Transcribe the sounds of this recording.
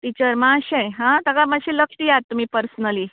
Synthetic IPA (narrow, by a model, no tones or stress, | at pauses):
ʈ̪it͡ɕəɾmãɕẽɦãt̪akaməɕiləkʈijat̪ːum̤iːpəɾsənəli